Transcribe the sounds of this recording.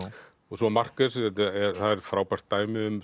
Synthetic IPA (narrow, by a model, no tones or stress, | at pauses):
ɔsɔmar̥kasɛt̪ɛθaðɛɾ̥fɾaːwpar̥t̪ːaːjmɪʏm